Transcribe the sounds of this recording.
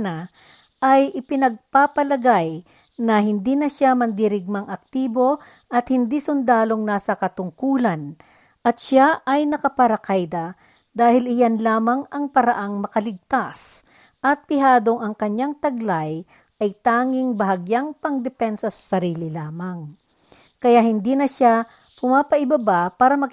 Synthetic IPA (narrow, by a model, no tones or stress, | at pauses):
na | ʔɐjʔɪpɪnɐɡ̚papɐlɐɡaj | nɐhɪnd̪iːnɐʃamɐnd̪ɪɾɪɡ̚maŋʔɐk̚t̪iːbo̞ | ʔɐt̪hɪnd̪isʊnd̪aːlo̞ŋnaːsɐkɐt̪ʊŋkuːlɐn | ʔɐt̪ʃaʔɐjnɐkɐpɐɾɐkajd̪ɐ | d̪aːhɪlɪjanlaːmɐŋɐŋpɐɾɐʔaŋmɐkɐlɪɡ̚t̪as | ʔɐt̪̚pɪɦaːd̪o̞ŋɐŋkɐɲaŋt̪ɐɡlaj | ʔɐjt̪aːŋɪŋbɐɦɐɡjaŋpɐŋd̪ɛpɛnsɐsɐ̥sɐɾiːlɪlaːmɐŋ | kɐjahɪnd̪iːnɐʃa | pʊmaːpɐʔɪbɐbapaːɾɐmɐ